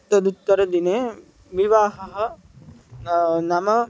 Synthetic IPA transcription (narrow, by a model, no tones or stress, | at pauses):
t̪ɐd̪ut̪ːɐɾɐd̪ineː | ʋiʋaːɦɐɦɐ̆ | nɐmɐ